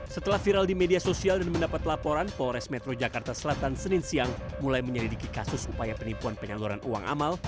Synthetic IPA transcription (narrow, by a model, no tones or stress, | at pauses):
sət̪əlahfiɾaldimediasosialdanməndapat̪lapoɾanpɔɾɛsmɛt̪ɾod͡ʒakart̪asəlat̪ansənɪnsiaŋmulajməɲəlidikikasʊsupajapənipuanpəɲaluɾa̰nʔuwa̰ŋʔa̰mal